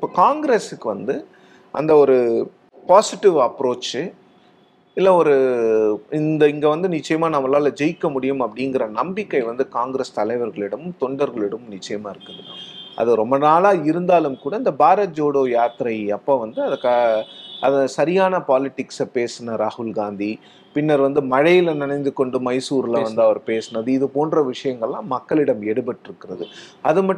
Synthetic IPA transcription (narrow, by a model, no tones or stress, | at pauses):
ɪpːoːkaːŋɡɾesɯkːɯʋɐnd̪ɯ | ʔɐ̰nd̪ɐɔɾɯ | paːsɪʈːɪʋɐpːɾoːt͡ʃɯ | ɪlːɐɔɾɯ | ɪnd̪ɐɪŋɡɐʋɐnd̪ɯnɪt͡ʃːɐjɐmaːnɐmːɐlaːlɐd͡ʒɛjkːɐmʊɽɪjɯmɐpːɐɽɪŋɡɪɾɐnɐmbɪkːɐɪʋɐnd̪ɯkaːŋɡɾest̪ɐlɐɪʋɐɾɣɐɭɪɽɐmɯmt̪ɔɳɖɐɾɣɐɭɪɽɐmɯmnɪt͡ʃːɐjɐmaːɪɾɯkːɯðɯla̰ːʔɐ̰ðɯɾɔmbɐnaːlaːɪɾɯnd̪aːlɯmkuːɽɐɪnd̪ɐbaːɾɐd͡ʒoːɽoːjaːt̪ɪɾɐɪɐpːoːʋɐnd̪ɯɐðɐkːaɐðɐsɐɾɪjaːnɐpaːlɪʈːɪksɐpeːsɯnɐɾaːhʊlɡaːnd̪i | pɪnːɐɾʋɐnd̪ɯmɐɻɐjɪlɐnɪnɐɪnd̪ɯkːɔɳɖɯmɐɪsuːɾɪlʋɐnd̪ɯɐʋɐɾpeːsɯnɐðɯɪðɯpoːnɖrɐʋɪʂɐjɐŋɡɐɭlãːmɐkːɐɭɪɽɐmɛɽɯpɐʈːɪɾɯkːɪɾɐðɯɐðɯmɐʈː